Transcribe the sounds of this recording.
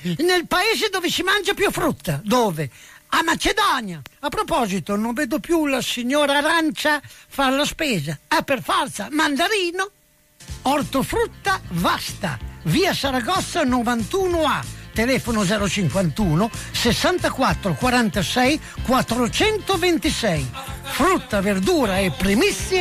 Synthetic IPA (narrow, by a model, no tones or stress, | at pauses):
nelpaeːzed̪oːvɪsimand͡ʒapjufɾut̪ːad̪oːveamat͡ʃed̪ɔnjaapːɾopɔːzit̪onoɱveːd̪opjulasiɲːoːɾaɾant͡ʃafalaspeːzaɛpːerfɔrt̪samand̪aɾiːno | ɔrt̪ofɾut̪ːavast̪a̰viːasaɾaɡɔsːanovant̪uːnʊat̪elɛfonʊzɛːɾot͡ʃiŋkwant̪uːnosesːant̪akwat̪ːɾokwaɾant̪asɛj | kwat̪ːɾot͡ʃɛnt̪ovent̪isɛjfɾut̪ːaverd̪uːɾaepɾimisːje